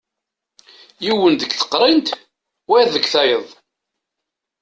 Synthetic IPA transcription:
jiwənðəkθə̥qːɾˤint̪ | wæðəɡθæjəðˤ

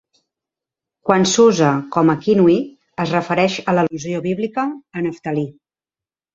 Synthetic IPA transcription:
kwansuzəkɔməkinui | əzrəfəɾɛʃələluzioβiβlikəːnəft̪əli

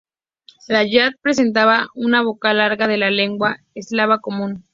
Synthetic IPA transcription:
laʝat̪̚pɾe̞s̬e̞nt̪̬aβaunaβ̞o̞kalaɾɣað̞e̞lale̞ŋɡwa | eslaβako̞mũn

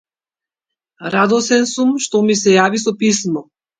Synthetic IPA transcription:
ɾad̪ɔsɛnsumʃt̪ɔmisɛjavisɔpismɔ

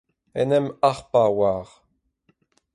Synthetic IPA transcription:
ɛnɛmaʁpawaːʁ

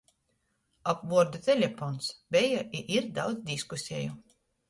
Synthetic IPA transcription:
apvuɔɾd̪ut̪ɛlʲɛfɔnsbɛjaʔiʔiɾd̪awd̪zd̪ʲiskusʲɛju

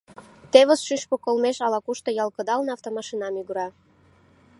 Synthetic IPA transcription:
t̪eβəsʃyʃpokolmeʃɑlɑkuʃt̪ŏjɑlˠkəd̪ɑlnɑft̪omɑʃinɑmyɣəɾɑ

